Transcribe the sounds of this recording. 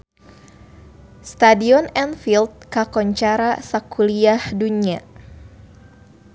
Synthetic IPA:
st̪adiɔnɛnfilt̪̚kakɔɲt͡ʃaɾasakuliahdunia

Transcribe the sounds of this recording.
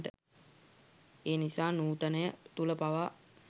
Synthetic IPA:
ʈə̰ | eːnisaːnuːt̪ənəjət̪uləpaʋa

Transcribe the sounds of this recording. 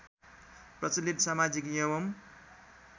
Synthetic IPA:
prʌt͡silit̪samad͡zikjʌwʌm

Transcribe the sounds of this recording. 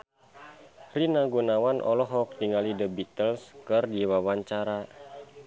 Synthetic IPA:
rinaɡunawanʔɔ̰lɔɦɔk̚diŋalidəbit̪əlskɨrdiwawaɲt͡ʃaɾa

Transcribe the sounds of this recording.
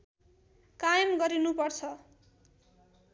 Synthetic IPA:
kajʌmɡʌɾinupʌrt͡sʰʌ

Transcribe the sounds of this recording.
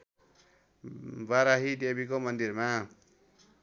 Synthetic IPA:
baɾaɦidebikomʌnd̪iɾma

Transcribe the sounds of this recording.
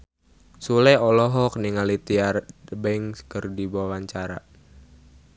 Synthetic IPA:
sulɛɔlɔɦɔk̚niŋalit̪iarbɛŋskərdibawaɲt͡ʃaɾa̰

